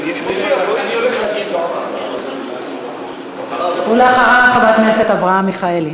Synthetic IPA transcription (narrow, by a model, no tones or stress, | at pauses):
uleaχaʁaχavat̪neset̪avʁahamːiχaeli